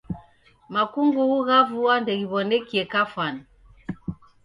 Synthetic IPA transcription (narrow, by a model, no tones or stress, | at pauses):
makuŋɡuɣuɣavuwandɛɣiβɔnɛkiɛkafwani